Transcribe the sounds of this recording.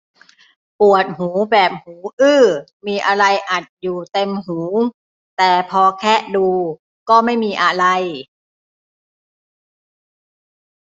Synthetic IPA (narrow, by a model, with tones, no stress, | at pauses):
pu˨˩ət̪̚huː˩˦bɛː˨˩p̚huː˩˦ʔɯː˥˩miː˧ʔa˧ɾa˧jʔa˨˩t̪̚juː˨˩t̪e˧mɦuː˩˦ | t̪ɛː˨˩pʰɔː˧kʰɛː˥˩duː˧ | kɔː˥˩ma˥˩jmiː˧ʔa˧ɾa˧j